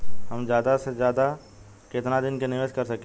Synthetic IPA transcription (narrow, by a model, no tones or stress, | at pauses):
hɐmzjaːd̪asezjaːd̪a | kɪt̪nad̪ɪnkenɪʋeːʃkɐɾsɐke